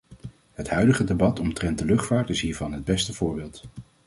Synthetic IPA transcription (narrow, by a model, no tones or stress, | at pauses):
ɦətɦœɥdəχədebɑtɔmtrɛnt̚dəlɵχtfaːɹtɪsɦiːɹvɑnɦəd̚bɛstəv̥ʊːɹbɪːlˠt